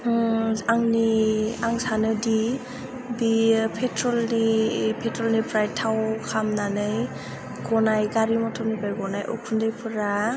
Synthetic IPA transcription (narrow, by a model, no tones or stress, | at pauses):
aŋniaŋsanɯdi | bipʰetʰɾɔlnipʰetɾɔlnipɾajtʰawkʰamnanɯj | ɡɔnajɡaɾimɔtʰɔnibajɡɔnajʔɔ̰kʰundɯjpʰɯɾa